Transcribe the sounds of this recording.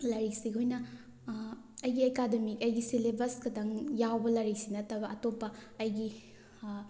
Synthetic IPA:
lɐɾiksiɡojnɐ | ɐjɡiekademikɐjɡisilebɐskɐdɐŋjawbɐlɐɾik̚sinɐtɐbɐɐtopːɐːjɡi

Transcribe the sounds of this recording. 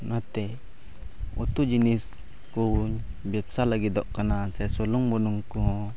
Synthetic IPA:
nat̪ɛ | ṵt̪ud͡ʒinis | kuɲ | bɛpsalaɡid̪ɔʔkanasɛsɔluŋbɔnuŋkuɦɔ̃

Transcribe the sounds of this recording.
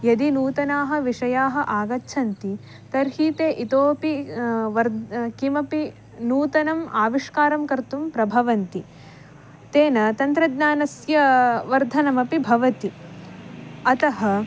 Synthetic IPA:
jɐd̪inuːt̪ɐnaːɦɐ̆ʋiʂɐjaːɦɐ̆ʔaːɡɐtːʃʰɐnt̪i | t̪ɐɾɦiːt̪eːʔit̪oːpiʋɐɾkimɐpi | nuːt̪ɐnɐmaːʋiʂkaːɾɐmkɐɾt̪umpɾɐbʱɐʋɐnt̪i | t̪eːnɐt̪ɐnt̪ɾɐd̪ɲaːnɐsjɐʋɐɾd̪ʱɐnɐmɐpibʱɐʋɐt̪i | ɐt̪ɐɦɐ̆

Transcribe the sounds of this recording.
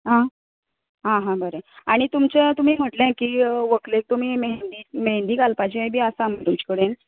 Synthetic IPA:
ɦã | ɦãɦãbəɾeaɽ̃it̪umt͡ɕet̪um̤iːm̤əʈlẽkiːəʋəklek̚t̪um̤iːmeɦnd̪imeɦend̪iːkalpad͡ʑiəjbʱiːasam̤əɾumt͡ɕi̥kəɽen

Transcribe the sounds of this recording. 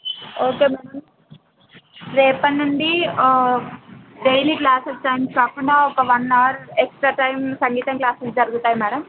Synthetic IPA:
oːkeːmɐnɐm | ɾeːpɐnːɐɳɖi | ɖejliklaːsɐsʈɐjmkaːkːuɳɖaːɔkɐʋɐnːaːɾeksʈɾaːʈɐjmsɐŋɡiːt̪ɐŋklaːsesd͡ʒɐɾuɡut̪aːjimɐɽɐm

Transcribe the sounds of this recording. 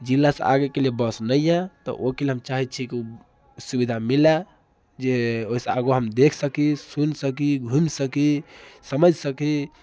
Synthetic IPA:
d͡ʒilːasḛ̃a̰ɡekelijebəsnəijat̪ɔ̰ʔokeleɦəmt͡ʃaɦit͡ʃʰikiu | subid̪ʱamila | d͡ʒeoisea̰ɡoɦəmd̪ekʰsəkisunsəkiɡʱumsəkisəməd͡ʒʱsəki

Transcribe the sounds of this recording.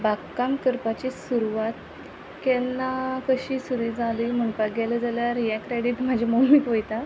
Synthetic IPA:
bakkːamkəɾpat͡ɕisuɾuʋat̪ | kɛlnakəɕisuɾid͡zaləm̤əɳpaɡɛləd͡zaljaɾijɛkːɾeɽiːʈm̤ad͡ʑʱimomikʋojt̪a

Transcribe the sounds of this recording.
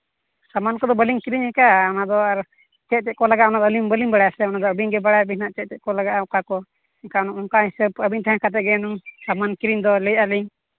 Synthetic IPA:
samankɔd̪ɔbəliŋkiɾiɲhɛkaɔnad̪ɔaɾ | t͡ʃɛt̪̚t͡ʃɛt̪̚kɔlaɡaʔɔnad̪əliŋbəliŋbaɽajasɛɔnad̪ɔəbiɲɡɛbaɽabihnaʔt͡ʃɛt̪̚tɛʔ̚kɔlaɡaʔɔkakɔ | ɛŋkaɔnaʔɔŋkahisəbəbiɲt̪aɦãkʰat̪ɛʔ̚ɡɛnusamankiɾiɲd̪ɔləjaliɲ

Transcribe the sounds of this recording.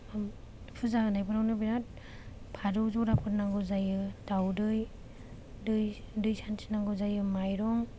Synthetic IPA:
pʰɯzaɡɯnajbʰɯɾawnɯbiɾat̚ | pʰaɾɔzɔɾapʰɯɾnaŋɡɔzajɯdawdɯj | dɯjdɯjsʰansʰi̥naŋɡɔzajɯmajɾɔŋ

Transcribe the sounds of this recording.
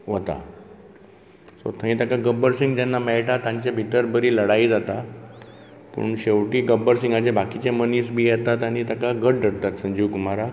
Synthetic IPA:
ʋət̪a̰ | so̰t̪ʰə̃ɦĩt̪akaɡəbəɾsiŋɡd͡ʑɛnːamɛɭʈat̪ãɲt͡ɕebʱit̪əɾbəɾiːləɽaid͡zat̪a | pṵɳɕewʈiːɡəbəɾsĩŋɡad͡ʑebʱakit͡ɕeməniːsbʱiːjɛt̪at̪añiːt̪akaɡəʈ̚ɖʱəɽt̪at̪sə̃ɲd͡ʑiukumaɾa

